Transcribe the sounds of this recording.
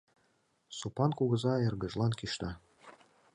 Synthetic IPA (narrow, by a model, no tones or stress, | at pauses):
supɑnkuɣɤ̆zɑĕrɡə̆ʒlˠɑnkiʃt̪ɑ